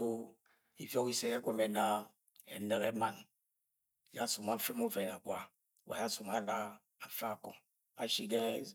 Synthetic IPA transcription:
o˦ | i˦vɔ˦ki˦se˦e˦ɡʷe˦me˨na˨ | e˨ne˨ke˦ma˨n˨ | ja˦su˨ma˦fe˦mo˦vɛ˨na˨ɡʷa˦˨ | wa̰˨ja˦su˨ma˨la˦ | a˨˦fa˦˨kɔ̰˨ŋ | a˨ʃi˦ɡe˦

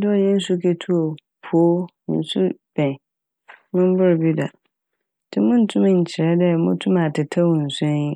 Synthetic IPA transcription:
dɪ˦ɔ˨jɛ˦n̩˦su˦kʰe˦tʰu˦o˨ | pʰo˦nḭ̃˨n˦su˦b̥ɛ̃˨ | mʊ̃˦m˦bʊ˦ɾbi˦da˨ | tʰɪ˦mʊ̃˦n̩˦tʰʊ̃˦m̃˨ɲ̩˨t͡ɕʰɪ˨ɾɛ˦dɛ˦mʊ̃˦tʰʊ̃˦mã˨tʰɪ˨tʰa˦wɔ˨n̩˨sɛ̃˦

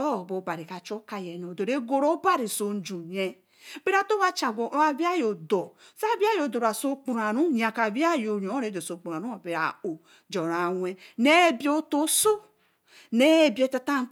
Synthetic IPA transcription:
o˦˨bo˨ba˨ɾi˨ka˨t͡ʃo˦ka˨jɛ˨no˨do˨ɾe˦ɡo˦ɾo˦ba˦ɾi˨so˨n̩˦d͡ʒu˨ɲe˦ | be˦ɾa˨to˦βa˦t͡ʃa˨ɡʷo˨˦a˨bi˦a˦jo˨do˨ | sa˦bi˦a˦jo˨do˨ɾa˨so˦k͡pu˨ɾa˨ɾu˦ɲa˨ka˨bi˦a˦jo˨ɲo˨o˦ɾe˨˦do˨so˨k͡pu˨a˨ɾu˦a˨be˨ɾa̰˨o˨ | d͡ʒo˨ɾa˨wʷe˦ne˦bi˦o˦to˦so˦ | ne˦˨bi˦e˦ta˦ta˦

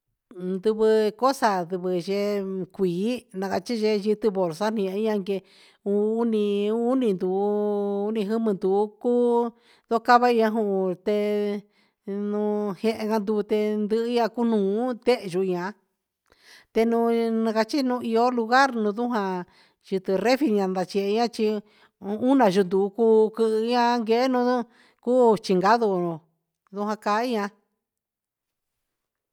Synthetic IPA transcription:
nd̪u˧βɨ˧ko˦sa˧d̪ɨ˧βɨ˧ʒe˧kʷiː˨˦nã˧ka˧t͡ʃi˦ʒe˧ʒɨ˧t̪ɨ˧βo˨ɾsa˦n̥ĩ˧ã˧˦ɲã˧ŋɡe˧ | uː˧˦nĩ˧u˦nĩ˧nd̪u˨˦u˦nĩ˧ɦɨ˦mɨ̃˧nd̪u˨˦kuː˦ | ðo˦ka˦˧βa˦i˧ɲã˧ɦũ˧˨˧t̪e˧ | nũ˧hẽ˧ʔẽ˧ŋɡa˧nd̪u˧βu˧t̪e˧nd̪ɨ˧ʔɨ˧˦ɲã˧ku˦nũː˨˦t̪e˦ʔʒu˧ɲã˧ | t̪e˧nũ˧nã˧ka˧t͡ʃi˦nũ˧i˧o˦lu˧ɣa˦ɾnũ˧ðu˦ɦã˧ | ʒɨ˧t̪ɨ˧re˦fi˧ɲã˧nd̪a˧t͡ʃe˧ɲã˦t͡ʃi˧ | u˦nã˧˨ʒu˧nd̪u˧kuː˦˧˦kɨ˧ʔɲã˦˧ŋɡe˧˦nũ˧u˦ | kuː˦t͡ʃi˧ŋɡa˦ðo˧˨ũ˧ | ðu˧ɦʷã˧ka˧˦i˦ɲã˧

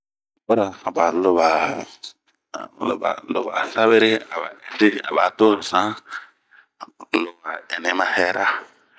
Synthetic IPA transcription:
bɔ˦ɾa˨a˨ba˨lo˨ba˨ | lo̰˨ba̰˨lo̰˨ba̰˨sa˦βe˦ɾe˦a˨ba̰˨ɛ˨te˦a̰˨ba˨to˦ɾsã˦˨ | lo˨ba˨ɛ˨ne˨˦mã˦hɛ˦ɾa˦

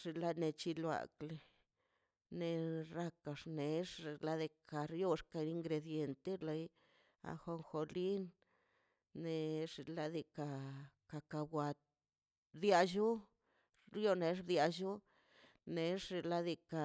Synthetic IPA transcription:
ʐ̥i˧la˦ne˧t͡ʃi˧lwa̰˨kle˧ | ne˧ɾa˧ka˧ʂne˨˦ʂe˨˧la˦d̪e˧ka˨ɾjo˧ʂka˧i˧ŋɡɾe˧d̪je˧nt̪e˦la˧j | a̰˧xo˧ŋxo˧li˦nː | e˧ʐi˧la˦˧d̪i˧ka˧ka˧ka˧bwʷa˧t̪̚ | bd̪ja˧ʒu˦ | ɾjo˧ne˧˦ʐbd̪ja˧ʒu˦ | ne˨ʂe˧la˦d̪i˧ka˨

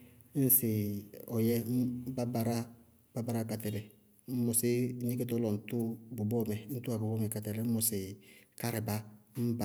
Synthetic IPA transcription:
n̩˦sɪ˨ɔ˨jɛ˦m̩˦ba˦ba˨ɾa˦ | ba˦ba˦ɾa˦˨ka˨tɛ˨lɛ˨ | m̩˦mʊ˨sɪ˦ɲi˦ke˦tɔ˦lɔ˨n̩˨tu˦bu˨bɔ˦mɛ˨n̩˦tu˦a˨bu˨bɔ˦mɛ˨ka˨tɛ˨lɛ˨˦m̩˦ʊ˨sɪ˨ka˦ɾɪ˨ba˦m̩˦ba˨

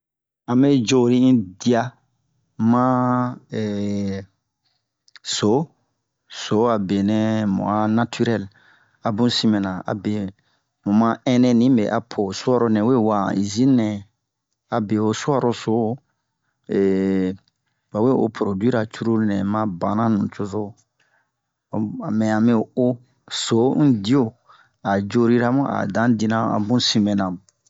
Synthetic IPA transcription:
ã˨me˦d͡ʒo˦˨ɾi˦ĩ˦di˦a˧ | mã˦ɛ˨ | so˨˦ | so˨˦a˨be˨nɛ̃˨mṵ̃˨a˨na˦tʰy˦ɾɛ˦˨l | a˨bũ˦si˦mɛ̃˨nã˨a̰˨be˨ | mũ˨mã˦ɛ̃˦nɛ̃˦nĩ˦bḛ˨ʔa˨pʰo˨su˦a˦ɾo˦nɛ̃˨we˦˨wa˨i˨zĩ˦nɛ̃˨ | a˨be˨o˨swa˦ɾo˦so˨˦ | e˨ | ba˨we˦˨o̰˨pʰɾo˨dwi˦ɾa˨t͡ʃu˦ɾu˦lnɛ̃˨mã˧˦bã˨nã˦nũ˨t͡ʃo˧zo˦˨ | a˨mɛ̃˨a˨mɛ̃˦o˨o˦ | so˨˦n̩˦di˦o˦˨ | a˨d͡ʒo˦ɾi˦ɾa˦mũ˦ʔa̰˨dã˨˦di˧nã˦a̰˨bũ˦sĩ˧mɛ̃˨nã˨

